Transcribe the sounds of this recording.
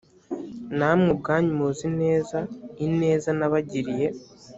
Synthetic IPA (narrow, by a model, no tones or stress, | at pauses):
namŋub̚ɡaːɲumozine̞ːzaine̞ːzanaβaɟiɾije̞